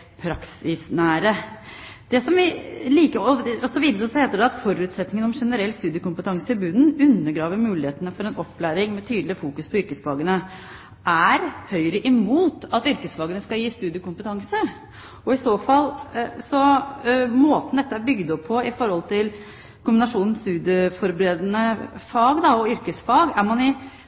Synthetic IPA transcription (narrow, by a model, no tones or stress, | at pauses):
pʰɾɑksɪsnæːɾə | d̪̥ɛsɔmʋɪliːkəɾɔɔsɔʋiːd̪əɾɔsheːt̪əɖɛɑt̪fɔɾʉːt̪sɛt̪nɪŋənɔmʂɛnəɾɛlːst̪ʉːd̪ɪəkʊmpət̪ʰɑŋsəɪbʉːd̪n̩ʉnːəɾɡɾɑːʋəɾmʉːlɪheːt̪ənəfɔɾɛnɔpːlæːɾɪŋmɛt̪ʰyːd̪lɪfuːkʉspʰɔʏɾkəsfɑːɡənə | ʔæɾhœʏɾəʔɪmuːt̪ɑt̪ʏɾkəsfɑːɡənəskɑjiːst̪ʉːd̪jəkʊmpət̪ʰɑŋsə | ɔɪsoːfɑlːsɔ | moːt̪n̩d̪ɛt̪ːəæɾbʏɡd̪ɔpʰːɔɪfɔɾhɔlt̪ʰɪl | kʊmbɪnɑʂuːnn̩st̪ʉːd̪jəfɔɾbəɾeːd̪ənəfɑːɡd̪ɑɔʏɾkəsfɑːɡæɾmɑnɪ